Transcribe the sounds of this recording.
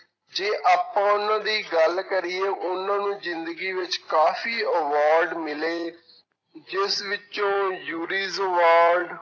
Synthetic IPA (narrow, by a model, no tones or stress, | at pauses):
d͡ʒeːʔaːpãːʊnãːd̪iːɡəlkəɾiːeːʔʊnãːnũːzɪnd̪əɡiːʋɪt͡ʃkaːfiːəʋaːɾɖmɪleː | d͡ʒɪsʋɪt͡ʃõːjuːɾiːzəʋaːɾɖ